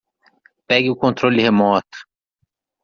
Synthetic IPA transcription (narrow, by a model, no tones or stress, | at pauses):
pɛɡɪukont̪ɾolːihemɔːt̪